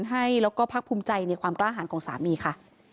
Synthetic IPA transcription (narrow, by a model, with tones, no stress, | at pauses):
nɦa˥˩jlɛː˦˥wkɔː˥˩pʰa˦˥k̚pʰuː˧mt͡ɕa˧jna˧jkwaː˧mklaː˥˩ɦaː˩˦nkʰɔː˩˦ŋsa̰ː˩˦miː˧kʰa˥˩